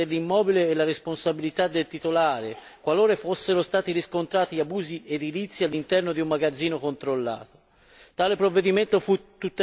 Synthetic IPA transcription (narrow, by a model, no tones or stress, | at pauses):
elːimːɔːbileːlːaɾesponsabilit̪ad̪ːelt̪it̪olaːɾe | kwaloːɾefosːeɾost̪aːt̪iɾiskont̪ɾaːt̪iabuːzied̪ilit̪sːialːint̪ɛrnod̪iumːaɡad̪zːiːnokont̪ɾolːa̰ːt̪o̥ | t̪aːlepɾovːed̪iment̪ofut̪ːut̪ː